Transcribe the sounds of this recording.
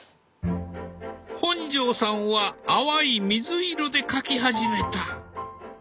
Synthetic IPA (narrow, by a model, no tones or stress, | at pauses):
hõ̞ɲd͡ʑo̞ːsãɰ̃βaːβaimʲizɨiɾo̞d̪e̞kakʲiɦaʑime̞t̪a